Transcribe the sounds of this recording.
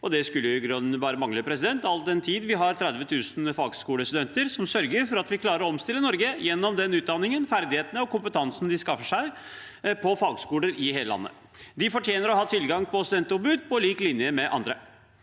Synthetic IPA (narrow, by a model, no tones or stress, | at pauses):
ɔd̪ɛskʉlːəʊɪɡɾʉnːbɑːɾəmɑŋləpʰɾɛsɪd̪ɛnt̪ɑld̪ɛnt̪ʰiːd̪ʋɪɦɑɾt̪ʰɾæd̪ʋət̪ʰʉːsnfɑːɡskuːləst̪ʉd̪ɛnt̪əɾsɔmsœɾɡəɾfɔɾɑt̪ʋɪkʰlɑːɾəɾɔɔmst̪ɪlːənɔɾɡəjɛnːɔmd̪ɛnʉːt̪̚d̪ɑnːɪŋənfæɾd̪ɪheːt̪nəɔkʰʊmpət̪ʰɑnsnd̪ɪskɑfəʂæɪ | pʰɔfɑːɡskuːləɾɪheːləlɑ̰nːə̰ | d̪ɪfɔʈʰjeːnəɾɔɦɑːt̪ʰɪlɡɑŋpʰɔst̪ʉd̪ɛnt̪ɔbʉd̪̚pʰɔliːklɪnjəmɛʔɑ̰nd̪ɾə